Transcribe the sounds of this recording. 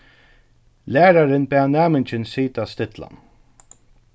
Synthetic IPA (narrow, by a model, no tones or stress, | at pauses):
læːɾaɾɪnpɛanæːmɪnt͡ʃɪnsiːt̪ast̪ɪt̪la̰n